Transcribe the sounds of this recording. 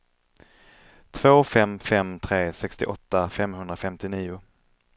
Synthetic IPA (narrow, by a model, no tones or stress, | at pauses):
t̪ʰvoːfɛmfɛmt̪ʰɾeːsɛkst̪ɪ̰ʔɔt̪ːafɛmɦɵnd̪ɾafɛmt̪ɪniːʊ